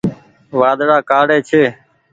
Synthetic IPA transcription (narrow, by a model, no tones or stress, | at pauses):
ʋaːd̪ɽaːkaːɽeːt͡ʃʰeː